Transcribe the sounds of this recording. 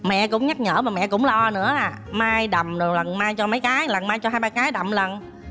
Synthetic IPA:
mɛ̰˧˨kʊ̰˧˥ŋ͡mɲa˦˥t̚ɲə̰ː˧˩maː˨˩mɛ̰˧˨kʊ̰˧˥ŋ͡mlɔ˧nɨ̰˧˥əaː˨˩ | maː˧jɗa˨˩wŋ͡mɗɨ˨˩k̚lə˨˩nmaː˧jt͡ɕɔ˧mə˨˦jkaː˨˦jlə˨˩nmaː˧jt͡ɕɔ˧ɦaː˧jɓaː˧kaː˨˦jɗa˨˩wŋ͡mlə˨˩n

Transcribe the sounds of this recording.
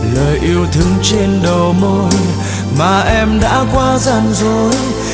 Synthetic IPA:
ləː˨˩jʔi˧əwt̪ʰɨ˧˦əŋt͡ɕe˧nɗo˨˩mo˧j | maː˨˩ʔɛ˧mɗa̰ː˧˥kwaː˧za˧˩nzo˨˦j

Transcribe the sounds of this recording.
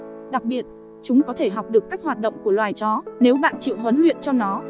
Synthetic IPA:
ɗa˨˩k̚ɓi˨˩ət̚ | t͡ɕʊ˨˦ŋ͡mkɔ˨˦t̪ʰe˧˩ɦa˨˩wk͡p̚ɗɨ˨˩əkːaː˦˥k̚hwaː˨˩t̚ɗə̰˧˨wŋ͡mku˧˩əlwaː˨˩jt͡ɕɔ˨˦ne˨˦wɓa̰ː˧˨nt͡ɕḭ˧˨wɦwə˨˦nlwḭ˧˨ənt͡ɕɔ˧nɔ˨˦

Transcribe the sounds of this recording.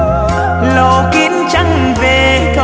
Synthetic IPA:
lo˧˨kḭ˧˦˥ənt͡ɕa˧˩ŋ | ve˨˩ | k̪

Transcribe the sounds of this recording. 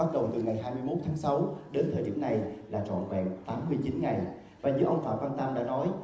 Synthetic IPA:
a˦˥t̚ɗə˨˩wŋ͡mt̪ɨ˨˩ŋa˨˩jɦaː˧jmɨ˧əjmo˦˥t̚t̪ʰaː˨˦ŋsa˨˦wɗe˨˦nt̪ʰəː˨˩jɗḭ˧˩ənːa˨˩jlaː˨˩t͡ɕɔ̰˧˨nvɛ̰˧˨ŋt̪aː˨˦mːɨ˧əjt͡ɕi˨˦nŋa˨˩j | vaː˨˩zɨ̰˨˦əʔə˧wŋ͡mfa̰ː˧˩kaː˧nt̪a˧mɗa̰ː˧˥nɔ˨˦j

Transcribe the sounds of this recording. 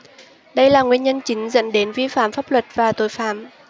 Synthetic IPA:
ɗə˧jlaː˨˩ŋwi˧ənɲə˧nt͡ɕï˨˦ŋ̟zə̰˧˥nɗe˨˦nvi˧fa̰ː˧˨mfaː˦˥p̚lwə˨˩t̚vaː˨˩t̪o˨˦jfa̰ː˧˩m

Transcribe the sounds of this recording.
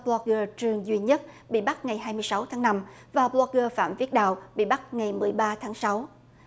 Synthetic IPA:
plɔ˧k̚ɣə˧t͡ɕɨ˨˩əŋzwi˧ɲə˦˥t̚ɓḭ˧˨ɓa˦˥t̚ŋa˨˩jɦaː˧jmɨ˧əjsa˨˦wt̪ʰaː˨˦ŋna˧m | vaː˨˩plwɔ˧k̚ɣə˧fa̰ː˧˨mvi˦˥ət̚ɗa̰ː˧˨wɓḭ˧˨ɓa˦˥t̚ŋa˨˩jmɨ˨˩əjɓaː˧t̪ʰaː˨˦ŋsa˨˦w

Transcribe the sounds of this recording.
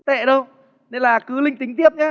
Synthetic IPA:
t̪ḛ˧˨ɗə˧w | ne˧nlaː˨˩kɨ˨˦lï˧ŋ̟t̪ï˨˦ŋ̟t̪i˦˥əp̚ɲaː˧˦

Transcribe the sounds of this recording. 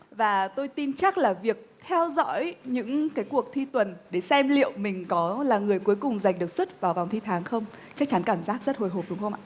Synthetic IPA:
vaː˨˩t̪o˧jt̪i˧nt͡ɕa˦˥k̚laː˨˩vi˨˩ək̚t̪ʰɛ˧wzɔ̰˧˥jɲɨ̰˧˥ŋkaː˨˦jku˨˩ək̚t̪ʰi˧t̪wə˨˩nɗe˧˩sɛ˧mlḭ˧˨əwmï˨˩ŋ̟kɔ˨˦laː˨˩ŋɨ˨˩əjku˨˦jkʊ˨˩ŋ͡mza˨˩jŋ̟ɗɨ˨˩ək̚swə˦˥t̚vaː˨˩wva˨˩wŋ͡mt̪ʰi˧t̪ʰaː˨˦ŋxə˧wŋ͡m | t͡ɕa˦˥k̚t͡ɕa˨˦nkaː˧˩mzaː˦˥k̚zə˦˥t̚ho˧˩jɦo˨˩p̚ɗʊ˨˦ŋ͡mxə˧ŋ͡mʔa̰ː˧˨

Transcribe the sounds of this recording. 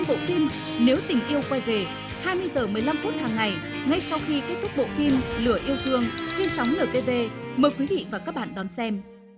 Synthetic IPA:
ɓo̰˧˨fi˧m | ne˨˦wt̪ï˨˩ŋ̟ʔi˧əwkwa˧jve˨˩ | haː˧jmɨ˧əjzəː˨˩mɨ˨˩əjla˧mfu˦˥t̚haː˨˩ŋːa˨˩j | ŋa˧jsa˧wxi˧ke˦˥t̚t̪ʰʊ˦˥k͡p̚ɓo̰˧˨fi˧mlɨ˧˩əʔi˧əwt̪ʰɨ˧əŋt͡ɕe˧nsa˨˦wŋ͡mnəː˨˩t̪e˧ve˧məː˨˩jkwi˨˦vḭ˧˨vaː˨˩kaː˦˥k̚ɓa̰ː˧˨nɗɔ˨˦nsɛ˧m

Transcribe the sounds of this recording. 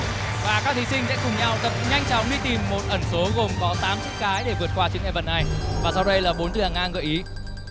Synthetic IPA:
vaː˨˩kaː˦˥k̚t̪ʰi˨˦sï˧ŋ̟sɛ̰˧˥kʊ˨˩ŋ͡mɲa˧˩wt̪ə˨˩p̚ɲa˧jŋ̟t͡ɕɔ˨˦ŋ͡mɗi˧t̪i˨˩mːo˨˩t̚ʔə˧˩nso˨˦ɣo˨˩mkɔ˨˦t̪aː˨˦mtɨ˦˥k̚kaː˨˦jɗe˧˩vɨ˨˩ət̚kwaː˧t͡ɕɨ˨˦ŋʔɛ˧˩və˧˩nːʔa˧jvaː˨˩sa˧wɗə˧jlaː˨˩ɓo˨˦nt̪ɨ˧˩haː˨˩ŋʔaː˧nɣə̰˧˨jʔi˨˦

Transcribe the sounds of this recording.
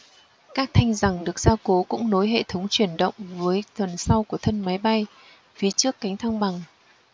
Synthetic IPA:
kaː˦˥k̚t̪ʰa˧jŋ̟za˨˩ŋɗɨ˨˩ək̚z̥aː˧ko˨˦kʊ̰˧˥ŋ͡mno˨˦jɦḛ˧˨t̪ʰə˨˦wŋ͡mt͡ɕwi˧˩ənɗə̰˧˨wŋ͡mvəː˨˦jt̪ʰə˨˩nsa˧wku˧˩ət̪ʰə˧nma˨˦jɓa˧j | fi˨˦t͡ɕɨ˦˥əkːa˨˦jŋ̟t̪ʰaː˧ŋɓa˨˩ŋ

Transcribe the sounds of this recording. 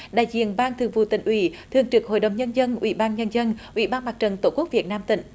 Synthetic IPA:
ɗa̰ː˧˨jzḭ˧˨ənɓaː˧nt̪ʰɨ˨˩əŋvṵ˧˩t̪ḭ˧˩ŋ̟ʔwḭ˧˩˦t̪ʰɨ˨˩əŋt͡ɕɨ˨˩ək̚ho̰˧˨jɗə˨˩wɲə˧nzə˧nʔwḭ˧˦ɓaː˧nɲə˧nzə˧nʔwḭ˧˩˦ɓaː˧nmaː˨˩k̚t͡ɕə˨˩nt̪o˧˦ku˦˥k̚vi˨˩ət̚naː˧mt̪ḭ˧˩˦ŋ̟

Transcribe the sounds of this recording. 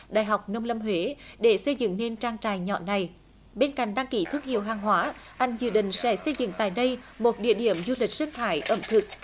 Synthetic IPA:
ɗaː˧˨jɦa˨˩wk͡p̚nə˧wŋ͡mlə˧mɦwe˨˦ɗe˧˩sə˧jzɨ̰˧˨ŋne˧nt͡ɕaː˧ŋt͡ɕaː˧˨jɲɔ̰˧˨na˨˩j | ɓe˧nka̰˧˨ŋ̟ɗaː˧ŋki˧˩t̪ʰɨ˦˥k̚hḭ˧˨əwɦaː˨˩ŋɦwaː˨˦ʔa˧jŋ̟zɨ̰˧˨ɗḭ̈˧˨ŋ̟sɛ̰˧˥sə˧jzɨ̰˧˨ŋt̪a̰ː˧˨jɗə˧jmo˨˩t̚ɗḭ˧˨əɗi˧˩əmzu˧li˨˩k̟̚si˧˦˥ŋt̪ʰaː˧˦jʔə˧˩mt̪ʰɨ˨˩k̚

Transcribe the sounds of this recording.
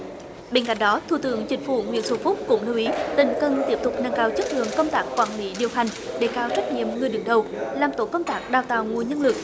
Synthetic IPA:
ɓe˧nka̰˧˥jŋ̟ɗɔ˨˦t̪ʰu˨˧˩t̪ɨ̰˧˥əŋt͡ɕï˨˦ŋ̟fṵ˧˩ŋwḭ˧˨ənsu˧˩fʊ˦˥k͡p̚kʊ̰˧˥ŋ͡mli˧wʔi˨˦t̪ï˧˨˩ŋ̟kə˨˧˩nt̪i˦˥əp̚t̪ʊ˨˩k͡p̚na˧ŋkaː˧wt͡ɕə˦˥t̚lɨ̰˨˧˨əŋkə˧wŋ͡mt̪aː˦˥k̚xwaː˧˩nlḭ˧˦ɗi˨˩əwɦa˨˩jŋ̟ɗe˧˩kaː˧wt͡ɕə˦˥k̚ɲḭ˧˨əmŋɨ˨˩əjɗɨ˨˩əŋɗə˨˩wlaː˨˩mt̪o̰˧˥kə˧wŋ͡mt̪aː˦˥k̚ɗaː˨˩wt̪a̰ː˧˨wŋu˨˩əɲə˧nlɨ˨˩ək̚

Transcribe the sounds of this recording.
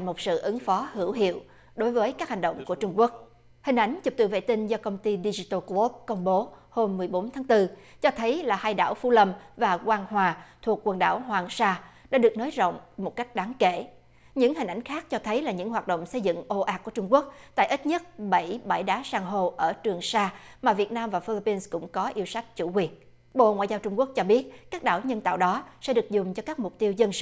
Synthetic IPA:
mo˨˩t̚sɨ̰˧˨ʔɨ˨˦ŋfɔ˨˦hɨ˧˩əwɦḭ˧˨əw | ɗo˨˦jvəː˨˦jkaː˦˥k̚ha˨˩ŋ̟ɗə̰˧˨wŋ͡mku˧˩ət͡ɕʊ˧ŋ͡mku˦˥ək̚ | hï˨˩ŋ̟ʔa˨˦jŋ̟t͡ɕu˨˩p̚t̪ɨ̰˧˩vḛ˧˨t̪ï˧n̟zɔ˧kə˧wŋ͡mt̪i˧ɗi˧zi˧t̪ə˧klo˦˥p̚kə˧wŋ͡mɓo˨˦ho˧mːɨ˨˩jɓo˨˦nt̪ʰaː˨˦ŋt̪ɨ˧t͡ɕɔ˧t̪ʰə˨˦jlaː˨˩haː˧jɗa̰ː˧˩wfu˨˧˦lə˧mvaː˨˩kwaː˧ŋɦwaː˨˩t̪ʰu˨˩ək̚kwə˨˩nɗa̰ː˧˩whwaː˨˩ŋsaː˧ | ɗa̰ː˧˥ɗɨ˨˩ək̚no˨˦jzo̰˧˨wŋ͡mmo˨˩t̚ka˦˥jk̟̚ɗaː˨˦ŋkḛ˧˩˨ | ɲɨ̰˧˥ŋhi˨˩ŋ̟ʔa˧˩jŋ̟xaː˦˥k̚t͡ɕɔ˧t̪ʰə˨˦jlaː˨˩ɲɨ̰˧˥ŋɦwaː˨˩t̚ɗo̰˧˨wŋ͡msə˧jzɨ̰˧˨ŋʔo˧ʔaː˨˩ku˧˩ət͡ɕʊ˧ŋ͡mku˦˥ək̚t̪a̰ː˧˨jʔi˦˥t̚ɲə˦˥t̚ɓə˧˩jɓaː˧˩jɗaː˨˦saː˧ŋɦo˧˩ʔəː˧˩t͡ɕɨ˨˩əŋsaː˧maː˨˩vi˨˩ət̚naː˧mvaː˨˩fi˧li˧pi˧nskʊ̰˧˥ŋ͡mkɔ˨˦ʔi˧əwsa˦˥jk̟̚t͡ɕṵ˧˩kwi˨˩ən | ɓo̰˧˨ŋwa̰ː˧˨jzaː˧wt͡ɕʊ˧ŋ͡mku˦˥ək̚t͡ɕɔ˧ɓi˦˥ət̚kaː˦˥k̚ɗa̰ː˧˩wɲə˧nt̪a̰ː˧˨wɗɔ˨˦sɛ̰˧˥ɗɨ˨˩ək̚zʊ˨˩ŋ͡mt͡ɕɔ˧kaː˦˥k̚mʊ˨˩k͡p̚t̪i˧əwzə˧nsɨ˧˨

